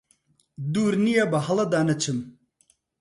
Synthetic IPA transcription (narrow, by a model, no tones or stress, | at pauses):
d̪uːɾnijabɐɦɐlɐd̪aːnɐt͡ɕʰɨm